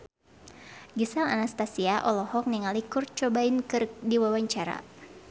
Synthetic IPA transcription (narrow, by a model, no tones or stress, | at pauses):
ɡisaŋa̰nast̪asiaʔɔlɔhɔk̚niŋalikurt͡ʃɔbainkɨrk̚diwawaɲt͡ʃaɾa̰